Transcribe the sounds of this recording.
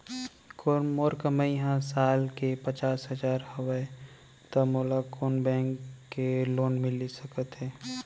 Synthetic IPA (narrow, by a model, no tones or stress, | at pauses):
komoːɾkəməjɦãsaːlkepət͡ʃaːsɦəzaːɾhəwə | t̪əmoːlakoːnbɛ̃ːŋkːeloːnmɪlisəkət̪ɦɛː